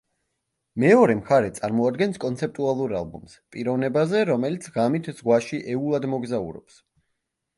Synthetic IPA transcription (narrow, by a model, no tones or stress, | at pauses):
mɛɔɾɛmχaɾɛt̪sʼaɾmɔad̪ɡɛnskʼɔnt̪sʰɛp̚t̪ʼualˠuɾa̰lˠbṵmspʼiɾɔvnɛbazɛɾɔmɛlit̪sʰʁamit̪ʰz̥ʁwaʃiʔɛulˠad̪mɔɡzaṵɾɔ̰ps